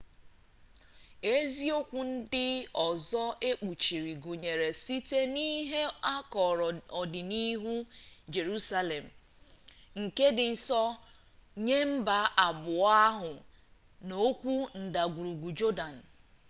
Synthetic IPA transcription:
e˦zi˦o˦kʷu˦n̩˦dɪ˦ɔ˨zɔ˦e˦k͡pu˨t͡ʃi˨ɾi˨ɡu˨ɲe˨ɾe˨si˦te˦ni˦ɦe˦a˦kɔ˨ɾɔ˨dɪ˨ni˦ɦu˦d͡ʒe˨ɾu˦sa˦le˨m̩˨ | ŋ̩˨ke˦dɪ˨n̩˦sɔ˦ | ɲe˦m̩˦ba˨ʔa˨bʊ˨a˦ɦʊ˨ | no˦kʷu˦n̩˨da˨ɡu˨ɾu˨ɡʷu˨d͡ʒo˦da˨n̩˨

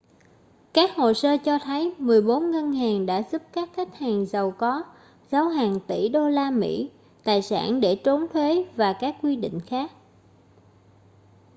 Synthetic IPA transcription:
kaː˦˥k̚ho̰˧˨səː˧t͡ɕɔ˧t̪ʰə˨˦jmɨ˨˩əjɓo˨˦nŋə˧nɦaː˨˩ŋɗa̰ː˧˥zu˦˥p̚kaː˦˥k̚xʰa˦˥k̟̚haː˨˩ŋzə˨˩wkɔ˨˦ | za˨˦wɦaː˨˩ŋt̪i˧˩ɗo˧laː˧mḭ˧˥ | t̪aː˨˩jsa̰ː˧˩nɗe˧˩t͡ɕo˨˦nt̪ʰwe˨˦vaː˨˩kaː˦˥k̚ːwi˧ɗḭ̈˧˨ŋ̟xaː˦˥k̚

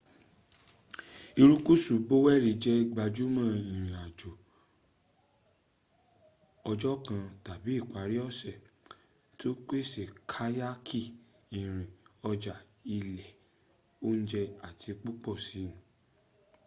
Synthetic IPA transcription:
i˧ɾu˦ku˦su˨bo˦wɛ˦˨ɾi˧˦d͡ʒɛ˦˧ɡ͡ba˧d͡ʒu˦mã˦˨ĩ˨ɾ̃ĩ˨a˨d͡ʒo˨ | ɔ˧d͡ʒɔ˦kã˧ta˨bi˨˦i˦˨k͡pa˨˦ɾi˦ɔ˦˨sɛ˨ | to˦k͡pe˦˨se˨kʰa˦ja˦kʰi˦˨ | ĩ˨ɾ̃ĩ˨ɔ˧d͡ʒa˨ | i˧lɛ˨ | o˦n̩˦d͡ʒɛ˧a˨tʰi˨˧k͡pu˦k͡pɔ˦˨sĩ˨˦˨

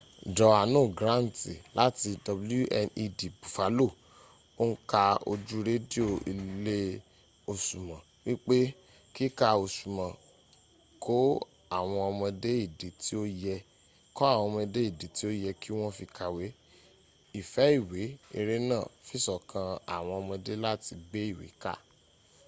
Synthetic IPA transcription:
dɔ˨a˨nũː˦˨ɡɾã˦˨n̩˨ti˨la˦ti˧dɔ˧blu˦ʔɛ˧ni˧di˨bu˨fa˨˦lo˦˨ | o˦n̩˦ka˧o̰˧d͡ʒu˦ɾe˦di˦o˦˨i˧le˦ | o˧ʃu˨mã˨ | wi˦k͡pe˦ | ki˦ka˧o˧su˨mã˨ | kʰo˦ | a˨w̃ɔ̃˧ɔ˧mɔ̃˧de˦i˦˨de˨ti˦o˦jɛ˧ | kɔ˦a˦˨w̃ɔ̃˧mɔ̃˧de˦i˦˨de˨ti˦o˦jɛ˧ki˦w̃ɔ̃˦fi˧ka˧we˨˦ | i˨fɛ˨˦i˦˨we˨˦i˧ɾe˦nãː˦˨fi˦˨sɔ˨kʰã˧a̰˨w̃ɔ̃˧ɔ˧mɔ̃˧de˦la˦ti˧ɡ͡be˦i˦˨wḛ˨˦ka̰˦˨

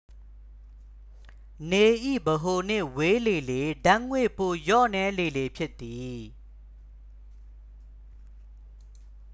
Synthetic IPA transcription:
ne˨ʔḭ˦˨bəɦo˨n̥ɪ̰̃˦˨we˦le˨le˨dã˦ŋwe˦˨po˨jɔ̰˦˨nɛ˦le˨le˨pʰjɪ˦t̪ːi˨

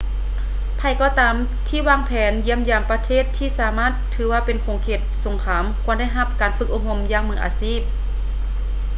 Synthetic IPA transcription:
pʰa˧˩jkɔː˧t̪aː˨˦m | t̪ʰiː˧˥˩waː˧˥˨ŋpʰɛː˨˦nji˧˥ə˨mjaː˧˩mpa˧t̪ʰeː˥˩t̪ʰːiː˧˥˨saː˨˦maː˧˥˨t̪ʰːɯː˨˦waː˧˩pe˨nkʰoː˨˦ŋkʰeː˧˩t̪̚so˨˦ŋkʰaː˨˧˦mkʰu˧˥ənda˥˩jɦa˧˩p̚kaː˨˩nfɯ˧k̚ʔo˧˩ho˧˩mjaː˧˥˨ŋmɯː˧˦ʔa̰ː˨˦siː˥˩p̚

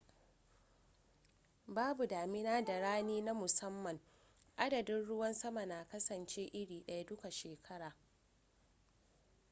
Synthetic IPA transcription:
baː˦bu˨daː˨mɪ˦naː˦da˨ɽaː˦neː˦na˦mʊ˨sɐ˦mːɐ˨ŋ | ʔa˦dɐ˨dɪ˦nɽʊ˦wɐ˦nsɐ˦ma˨naː˨kɐ˦sɐ˨nt͡ʃeː˦ʔɪ˦ɽiː˨ɗɐ˦ja˦dʊ˦ka˨ʃeː˨kʰɐ˦ɽaː˨

